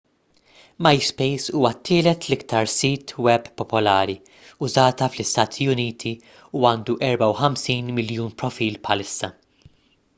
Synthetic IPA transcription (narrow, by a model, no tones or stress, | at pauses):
mɐjspɛjsuːwɐt̪ʰːɪːlɛt̪lɪkt̪ɐɾsiːt̪ʰwɛbːpːɔpɔlɐːɾi | ʊzɐːt̪ɐflɪst̪ɐːt̪ʰiʊniːt̪ʰi | uɐːnd̪uʔɛɾbɐwħɐmsiːnmɪljuːnpɾɔfiːlpħɐlɪsːɐ